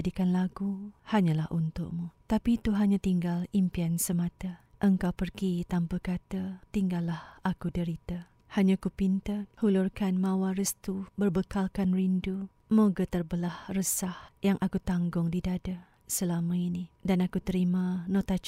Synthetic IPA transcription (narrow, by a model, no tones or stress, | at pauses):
dikanlaɡuhaɲãlahunt̪ʊ̰ʔmut̪apit̪uɦaɲãt̪iŋɡalimpiansəmat̪aʔəŋkawpərɡit̪ampəkat̪at̪iŋɡalːahakudəɾit̪a | haɲãkupint̪əhulurkanmãwaɾəst̪ubərbəkalkanrindu | moɡət̪ərbəlahrəsahjaŋʔakut̪aŋɡʊŋdidada | səlamãinidanakut̪əɾimãnɔt̪at͡ʃ